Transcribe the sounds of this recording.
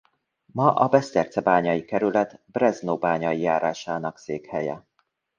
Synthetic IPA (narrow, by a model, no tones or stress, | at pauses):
mɒʔɒbɛst̪ɛrt̪sɛbaːɲɒjikɛɾylɛt̪brɛznoːbaːɲɒjijaːɾʔaːʃaːnɒkseːkhɛjɛ̰